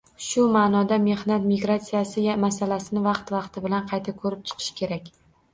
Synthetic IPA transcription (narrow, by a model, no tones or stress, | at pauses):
ʃʊmanɒd̪ame̞hnat̪miɡɾat̪sijasɪamasalasɪnɪvɑqt̪vɑqt̪ʰɪbɪlanqʰɑjt̪ʰakʰɵɾɪp̚t͡ʃʰɨ̥qʰɨ̥ʃkʲʰe̞ɾakʲ